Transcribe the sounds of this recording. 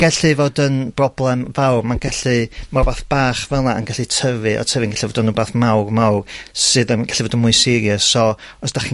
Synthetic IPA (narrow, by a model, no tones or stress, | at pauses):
ɡɛɬɨvoːdənbrɔblˠɛmvawrmanɡɛɬɨmarbaːθb̥aːχvɛlˠnaə̰nɡaɬɨtʰəvɨʔɔ̰tʰəvɨənɡɛɬivoːdənːuːbaːθmawrmawrsɨðənɡaɬivoːdənmʊɨsɪɾjəssɔɔsd̥aχi